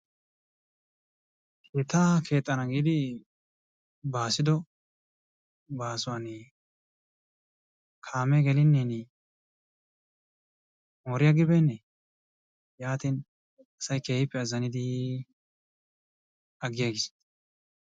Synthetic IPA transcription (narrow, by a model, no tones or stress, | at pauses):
kʰeːt̪ʰːaːkʰe̞ːt̪ʼːɐnɐɡiːd̪ɪ | baːsɪd̪ɔ | baːsʊwan | kʰaːmɛɡɛlɪnːiːn | moːɾɪjaɡɪbɛnːɛ | jaːt̪in | ɐsɐjke̞ːhɪpːɛɐzɐnɪd̪ɪ | ɐɡːɪjaːɡɪs